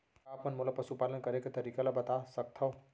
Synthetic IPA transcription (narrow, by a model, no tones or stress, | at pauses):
apənmolapəsupalənkəɾeket̪ɐɾikalabət̪asək̚t̪ʰɐw